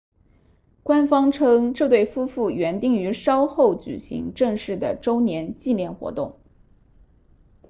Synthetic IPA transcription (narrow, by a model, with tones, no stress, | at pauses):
kwa˥nfɑ˥ŋʈ͡ʂʰɤ˥ŋʈ͡ʂɤ˥˧t̪we˥˩ɪfu˥fu˥˩ɥɛ˧˥nt̪i˥˩ŋy˧˥ʂɑ˥ʊxo˥˩ʊt͡ɕy̰˨˩ɕḭ˧˥ŋʈ͡ʂɤ˥˧ŋʂɻ̩˥˩d̪ə̰˩ʈ͡ʂo˥ʊnjɛ˧˥nt͡ɕi˥˧nljɛ˥˩nxwɔ̰˧˥t̪ʊ˥˩ŋ